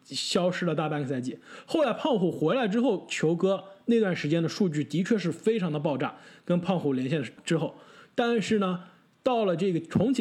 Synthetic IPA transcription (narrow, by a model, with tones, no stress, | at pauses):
ɕjɑ˥ʊʂɻ̩˥lə˨˦t̪a˥˩pa˥nkə˩sa˥˧ɪt͡ɕi˥˩xo˥˩ʊla˧˥ɪpʰɑ˥˧ŋxu˨˩xwɛ˧˥ɪla˧˥ɪʈ͡ʂɻ̩˥xo˥˩ʊt͡ɕʰjo˧˥ʊkɤ˥ne˥˧ɪt̪wa˥˩nʂɻ̩˧˥t͡ɕjɛ˥nd̪ə˨ʂu˥˧t͡ɕy˥˩t̪i˧˥t͡ɕʰɥɛ˥˧ʂ̬ɻ̩˥˩fe˥ɪʈ͡ʂʰɑ˧˥ŋd̪ə˧p̬ɑ˥˧ʊʈ͡ʂa̰˥˩kə˥npʰɑ˥˧ŋxu˧˥˩ljɛ˧˥nɕjɛ˥˩nʈ͡ʂɻ̩˥xo˥˩ʊt̪a˥˧nʂɻ̩˥˩nə˩ | t̪ɑ˥˩ʊlə˩ʈ͡ʂɤ˥˩ɡə˩ʈ͡ʂʰʊ˧˥ŋt͡ɕʰ